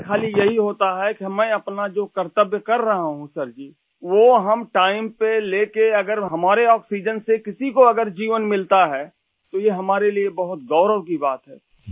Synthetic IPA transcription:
kʰaːlijɐɦiɦoːt̪aɦɛkimɛ̃ːɐpnad͡ʒoːkɐɾt̪əbjəkɐɾːɐɦaɦũsɐɾd͡ʒiː | ʋoɦɐmʈaːɪmpeleːkeɐɡəɾɦɐmaːɾeɔːksiːd͡ʒənsekɪsikoɐɡəɾd͡ʒiːʋənmɪlt̪aɦɛː | t̪ojeɦɐmaːɾeliebɐɦʊt̪̚ɡɔːɾəʋkibaːt̪ɦɛː

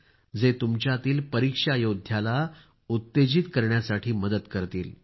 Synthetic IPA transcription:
d͡zet̪umt͡ɕjat̪iːlpəɾikʂajod̪ʱjala | ut̪ːed͡ʑit̪kəɾɳjasaʈʰiːməd̪ət̪kəɾt̪ḭːl

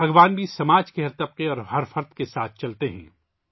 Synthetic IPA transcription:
bʱɐɡʋaːnbʱisɐmaːd͡ʒkeɦɐɾt̪ɐb̚qeɔːɾɦɐɾfɐɾd̪kesaːt̪̚ʰt͡ʃɐlt̪eɦɛ̰̃ː

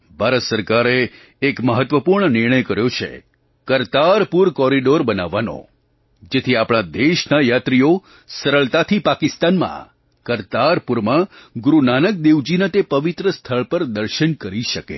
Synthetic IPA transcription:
bʱaɾət̪səɾkaɾeː | kməɦət̪ʋəpuɾɳənɪɾɳ̃əjkəɾjot͡ʃʰḛ | kəɾt̪aɾpuɾkɔɾiɖoɾbənaʋːanõ̰ | d͡ʒet̪ʰiapɽ̃ad̪eʃnajat̪ɾio | səɾəɭt̪at̪ʰipakist̪anmã̰ | kəɾt̪aɾpuɾmãɡɾunanək̚d̪eʋd͡ʒinət̪epəʋit̪ɾəst̪ʰəɭpəɾd̪əɾʃənkəɾiʃəkḛ

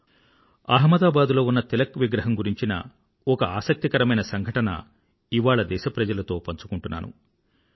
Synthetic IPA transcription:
aːɦmɐd̪aːbaːd̪ulo̞ːunːɐt̪ilɐkʋiɡɾɐɦɐmɡuɾiɲt͡ʃinɐ̰ | ɔkɐaːsɐk̚t̪ikɐɾɐmɐjnɐsɐŋɡʱɐʈɐnɐ̰ | iʋaːɭɐd̪ɛːʃɐpɾɐd͡ʒɐlɐt̪o̞ːpɐɲt͡ʃu̥kuɳʈunːa̰ːnṵ

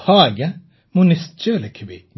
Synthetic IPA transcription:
hɑːɡə | mʊnɪst̪̚t͡ʃøːləkʰəbḭ

